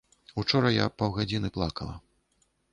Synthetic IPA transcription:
ut͡ʂɔɾɐja̰pawɣad͡zʲinɨplˠakɐlˠɐ̰

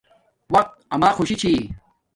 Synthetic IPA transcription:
wɐq̚t̪̚ɐmaːxuɕit͡ɕʰi

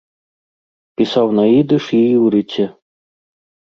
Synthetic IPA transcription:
pʲisɑwnɑid̪ɤ̆ʂijɾit͡ɕːɘ̆

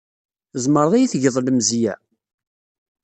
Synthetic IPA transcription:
zˤməɾðˤijiθʝəðˤləmzijæ̰

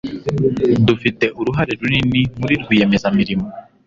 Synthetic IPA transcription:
dufite̞ʔuɾuɦaɾeɾuninimuɾiɾɡuje̞me̞zamiɾimo

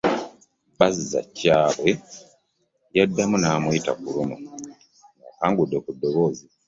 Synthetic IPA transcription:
baziza̰caːβwe̞ | jadːamunaːmuita̰kulumu | ŋakaːŋɡudːekudːo̞βo̞ːzi

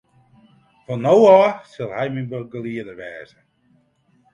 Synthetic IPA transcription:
fɔnowɑːsɪlˠhɛjminbəɡəliədəɹʋɛːzə

